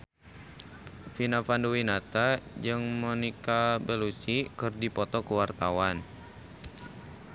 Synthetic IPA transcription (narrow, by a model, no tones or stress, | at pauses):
finafanduwinat̪ad͡ʒɨŋmɔnikabɛlusikɨrdipɔt̪ɔkuwart̪awan